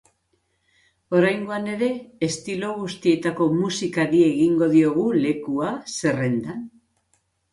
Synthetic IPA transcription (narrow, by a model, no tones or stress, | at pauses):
o̞ɾajŋɡo̞ane̞ɾe̞ːst̪iloɣ̞ust̪ie̞t̪ako̞musikaɾie̞ɣiŋɡo̞ðio̞ɣ̞ule̞kuase̞re̞nd̪an